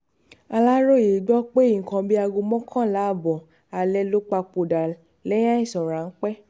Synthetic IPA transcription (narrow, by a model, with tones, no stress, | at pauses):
a˧la˦ɾo˦˨e˨ɡ͡bɔ˦k͡pe˦i˦˨ŋ̩˨kɔ̃˧bi˦a˧ɡo˧mɔ̃˦kʰã˦˨˦la˨˦˨bɔ˨ | a˨lɛ˧lo˦k͡pa˧k͡po˨da˨ | lɛ˦j̃ã˦ĩ˦˨sɔ˨ɾa˨n̩˦k͡pɛ˦